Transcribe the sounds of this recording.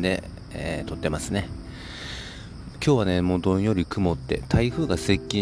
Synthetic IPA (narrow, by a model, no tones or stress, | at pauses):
d̪e̞̰ | et̪o̞t̪ːe̞masɨne | kʲo̞ːβane̞moːd̪õ̞ɰ̃jo̞ɾʲikɯ̟mo̞t̪ːe̞̰t̪ʰaiɸɯ̟ːɡase̞kʲːĩ